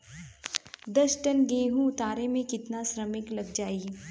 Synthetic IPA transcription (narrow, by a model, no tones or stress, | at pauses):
d̪ɐsʈɐnɡeːɦũʊt̪aːɾemẽkɪt̪nasɾəmɪklɐɡd͡ʒaːi